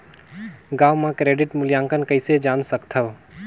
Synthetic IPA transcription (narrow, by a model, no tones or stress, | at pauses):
ɡaːwmãkɾeːɖɪʈmʊljãːŋkənkəɪsed͡ʒaːnsəkt̪ʰəʋ